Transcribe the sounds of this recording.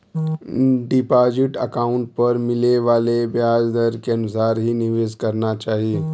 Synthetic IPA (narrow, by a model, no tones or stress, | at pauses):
ɖɪpaːd͡ʒɪʈɐ̰kaːʊ̃ɳʈ̚pɐɾmɪleʋaːlebjaːd͡ʒd̪əɾkeɐnʊsaːɾɦinɪʋeːzkɐɾnat͡ʃaːɦie